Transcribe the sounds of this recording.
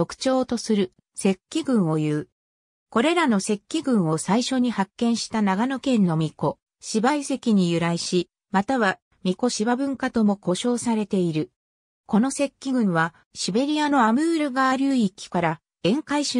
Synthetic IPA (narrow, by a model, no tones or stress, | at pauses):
okɯ̟̥t͡ɕo̞ːt̪o̞sɨɾɯ̟ | se̞kʲːiɡɯ̟̃ɰ̃o̞jɯː | ko̞ɾe̞ɾano̞se̞kʲːiɡɯ̟̃ɰ̃o̞saiɕo̞ɲ̟ihakːẽ̞ɰ̃ɕi̥t̪anaɡano̞kẽ̞nːo̞mʲiko̞ | ɕibaise̞kʲiɲ̟ijɯ̟ɾaiɕi | mat̪aβa | mʲiko̞ɕibabɯ̟̃ŋkat̪o̞mo̞ko̞ɕo̞ːsaɾe̞t̪e̞iɾɯ̟ | ko̞no̞se̞kʲːiɡɯ̟̃ɰ̃βa | ɕibe̞ɾʲijano̞amɯ̟ːɾɯ̟ɡaːɾɯikʲːi̥kaɾa | ẽ̞ŋkaiɕ